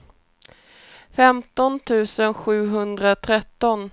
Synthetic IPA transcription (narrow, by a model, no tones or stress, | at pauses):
fɛmt̪ɔnt̪ʰʉ̟ːsənɧʉ̟ːɦɵnd̪ɾat̪ʰɾɛt̪ːɔn